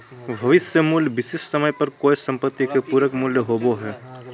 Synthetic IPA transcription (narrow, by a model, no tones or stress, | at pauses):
bʱɐʋɪsjəmuːljʋɪsɪʃsəməjpɐɾkoːɪsɐ̃mpət̪ːikepuːɾəkmʊːljəɦoːboɦɛː